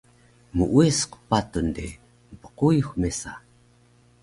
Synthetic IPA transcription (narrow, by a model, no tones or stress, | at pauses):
muʔuesqpatundi | mpə̥qujuxmesa